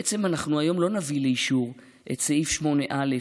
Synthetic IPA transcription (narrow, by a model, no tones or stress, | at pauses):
et͡se̞manaχnuajo̞mlo̞navileiʃuʁ | ʔetsaifʃmo̞neʔale